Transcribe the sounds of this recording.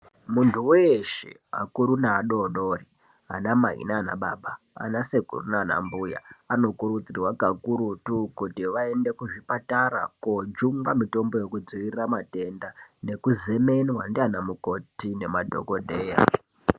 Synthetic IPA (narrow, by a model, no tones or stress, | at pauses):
muntʰuweʃḛ | a̰kuɾunaːɗo̞ɗori | ɦa̰namaɦḭnaːna̰ɓa̰ɓa | a̰nasekṵrunaːna̰mbuja̰ano̞kuɾut͡sirwakakuɾutukutiʋae̞nde̞kuʐipataɾa̰kod͡ʒuŋɡamito̞mbo̞je̞kud͡ziʋirramate̞ndane̞kuze̞me̞nwandianamuko̞tine̞madʱo̞̰kodʱe̞ːja̰